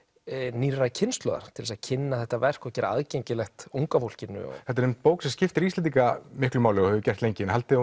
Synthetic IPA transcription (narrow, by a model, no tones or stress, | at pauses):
niːracʰɪnst̪lɔ̰ða̰ɾ̥t̪ʰɪlɛsaðcʰɪnːaθɛht̪avɛr̥kɔcɛːɾaa̰ðcejɲcɪlɛxt̪uŋkafowl̥cɪnːʏ̰ɔ̰ɛht̪aɾʏmt̪poːwksɛmscɪft̪ɪɾist̪ant̪iŋkamɪhklʏmaːwlɪɔhɛvʏcɛr̥t̪lejɲcɪnhalt̪ɪ